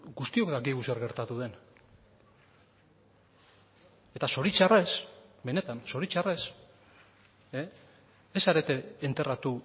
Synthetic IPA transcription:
ɡust̪io̞kd̪akiɣuseɾɣe̞ɾt̪at̪uðe̞n | e̞t̪aso̞ɾit͡ʃare̞sbe̞ne̞t̪anso̞ɾit͡ʃare̞s | e | esaɾe̞t̪e̞ːnt̪e̞rat̪u

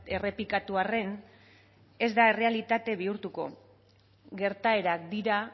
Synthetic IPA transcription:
e̞re̞pikat̪uare̞n | e̞zd̪ae̞re̞alit̪at̪e̞βiuɾt̪uko̞ | ɡe̞ɾt̪ae̞ɾak̚d̪iɾa

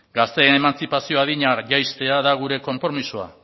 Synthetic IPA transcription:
ɡast̪e̞ːne̞mant͡sipasio̞aðiɲaɾʝajst̪e̞aðaɣ̞uɾe̞ko̞mpɾo̞misua̰

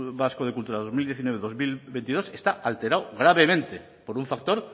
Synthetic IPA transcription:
βaskoð̞e̞kult̪uɾaðo̞zmild̪je̞θinweeðo̞zmilβent̪iðo̞sest̪aʔalt̪e̞ɾawɣɾaβe̞mẽnt̪e | poɾuɱfak̚t̪o̞ɾ

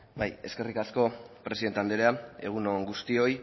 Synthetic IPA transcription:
baje̞̰ske̞rikasko̞pɾe̞siðe̞nt̪eand̪eɾeae̞̰ɣ̞unoŋɡust̪io̞j

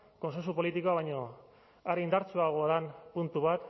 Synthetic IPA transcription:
ko̞nse̞nsupo̞lit̪ikoaβ̞ajɲo̞ | aɾeind̪aɾt͡suaɣ̞oaðanpunt̪uβat̪

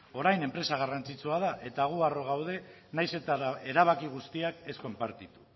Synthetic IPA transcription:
o̞ɾajne̞mpɾe̞saɣ̞arant͡sit͡suað̞aʔe̞t̪aɣ̞uaro̞ɣawð̞e̞ | najse̞t̪ae̞ɾaβ̞akiɣ̞ust̪iake̞sko̞mpaɾt̪it̪u̥

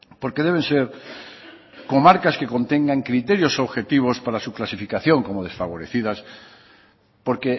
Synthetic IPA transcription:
poɾkeð̞eβ̞enseɾ | komaɾkaskeko̞nt̪eŋɡaŋkɾit̪eɾjosoβxe̞t̪iβ̞ospaɾasuklasifikaθjõŋkomoð̞e̞sfaβoɾeθiðas | poɾke

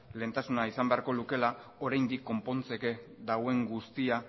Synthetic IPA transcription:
le̞ːnt̪asunaisambe̞aɾko̞luke̞lao̞ɾajnd̪ikːo̞mpo̞nt͡se̞ked̪awe̞ŋɡust̪ia

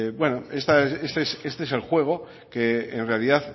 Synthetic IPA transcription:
bwe̞noe̞st̪asest̪eese̞st̪ees̬e̞lxwe̞ɣ̞o̞ | ke̞enre̞aliðaθ

